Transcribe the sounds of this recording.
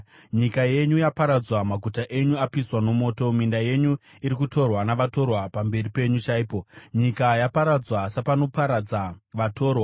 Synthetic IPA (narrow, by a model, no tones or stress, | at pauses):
ɲikaje̞ɲujapaɾad͡zwamaɡʱutaʔe̞ɲuapiswano̞mo̞ːto̞mindaje̞ɲu | iɾikuto̞rwanaʋato̞rwapambe̞ripe̞ɲut͡ʃaiːpo̞ɲikajapaɾad͡zwasapano̞paɾad͡zaʋato̞ːrwa